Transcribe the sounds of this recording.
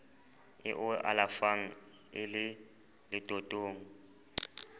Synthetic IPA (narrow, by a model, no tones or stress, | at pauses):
ɪ̰ʔʊʔa̰lafaŋ̩ | ɪlɪ | lɪd̥ʼʱotʼoːŋ̩